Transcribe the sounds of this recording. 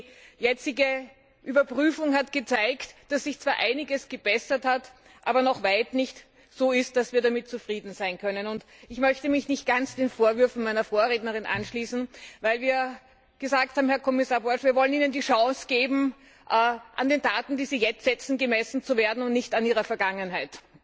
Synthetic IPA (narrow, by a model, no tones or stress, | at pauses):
jɛt͡sɪɡə | ʔyːbɐpʁyːfʊŋhatɡ̥ət͡saɪktd̥asz̥ɪçt͡sv̥aːɐʔaɪnɪɡəsɡ̥əb̥ɛsɐthat | ʔa̰ːbɐnɔχvaɪtnɪçt | z̥oːɪst̚d̥asv̥iːɐɾamɪt̚t͡sufʁiːdn̩zaɪnkʰœnənʊnt | ɪçmœçtəmɪçnɪçt̚ɡ̥ant͡sd̥eːnfoːɐvʏɐfn̩maɪnɐfoːɐʁeːtnəʁɪnʔa̰nʃliːsn̩vaɪlviːɐ | ɡ̥əzaːk̚thaːbm̩hɛɐkʰɔmɪsaːɐbɔɐʃviːɐvɔləniːnəndiːʃɑ̃ːsɡ̥eːbm̩ | ʔʔandeːndaːtn̩d̥iːziːjɛt͡stz̥ɛt͡sn̩ɡəmɛsn̩t͡suveːɐdn̩ʊntnɪçtaniːʁ̞ɐfɛɐɡaŋənɦaɪt